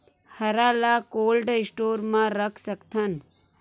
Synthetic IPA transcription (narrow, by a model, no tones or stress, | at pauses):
hɐɾaːlakoːlɖɪsʈoːɾmãɾəkʰsɐkt̪ʰɐn